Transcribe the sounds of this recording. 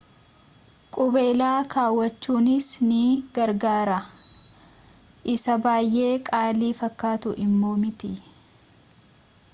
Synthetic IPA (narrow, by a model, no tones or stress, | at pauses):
kʼʊbe̞ːlaːkaːwːɐt͡ʃːuːnɪsnɪɡ̥ɐɾɡaːɾɐ | ʔɪsɐbaːjʔe̞ːkʼaːliːfɐkːaːt̪ʊʔɪmːo̞ːmɪt̪ɪ